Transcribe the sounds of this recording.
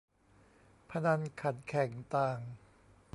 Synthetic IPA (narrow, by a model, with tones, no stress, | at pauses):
pʰa˧na˧ŋkʰa˨˩t̪̚kʰɛ˨˩˦ŋt̪aː˧ŋ